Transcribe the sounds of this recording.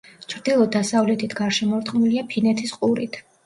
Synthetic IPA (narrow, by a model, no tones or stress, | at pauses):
t͡ʃʰɾd̪ilˠɔd̪asavlɛt̪ʰit̪ʰɡ̥aɾʃɛmɔɾt̪χʼmiliapʰinɛt̪ʰisqʼuɾit̪ʰ